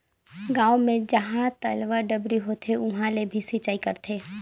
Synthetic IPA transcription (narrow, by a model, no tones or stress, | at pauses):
ɡãːomẽd͡ʒɐɦãt̪əlʋaɖəbɾiɦoːt̪ʰeʊɦãlebʱisit͡ʃaːikɐɾt̪ʰeː